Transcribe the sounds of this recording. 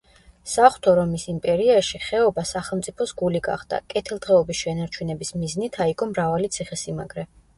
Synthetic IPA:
saχwt̪ʰɔɾɔmisimpʼɛɾiaʃiχɛɔbasaχɛlˠmt̪sʼipʰɔsɡuliɡa̰χd̪a̰kʼɛt̪ʰilˠd̪ʁɛɔbisʃɛnaɾt͡ʃʰɛnɛbismiznit̪ʰaiɡʼɔmɾavalit̪sʰiχɛsima̰ɡɾɛ

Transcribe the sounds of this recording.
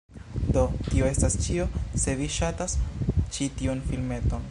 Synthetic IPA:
do̞tio̞e̞stast͡ʃio̞se̞viʃatast͡ʃitiunfilme̞to̞n

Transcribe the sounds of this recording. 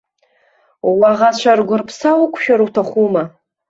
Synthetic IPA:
waʁat͡ɕʷʰarɡʷʊrpʰsawʊkʷʰʃᶣaɾuwtʰaχʷuma

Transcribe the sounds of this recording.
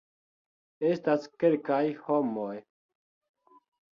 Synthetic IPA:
est̪askelkajhomoj

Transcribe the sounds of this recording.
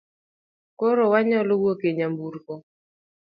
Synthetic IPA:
koɾowaɲɔlɔwokeɲambuɾkɔ

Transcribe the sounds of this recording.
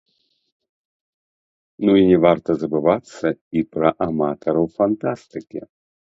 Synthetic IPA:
nuinʲɛvart̪ɐzɐbɨvat̪sːɐipɾɐʔamat̪ɐɾɐwfant̪ast̪ɨkʲḭ

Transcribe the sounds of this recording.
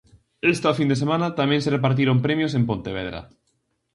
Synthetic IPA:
est̪afind̪es̬emãnat̪amẽnserep̬aɾt̪̬iɾompɾemjosempõnt̪eβ̞eðɾa̰

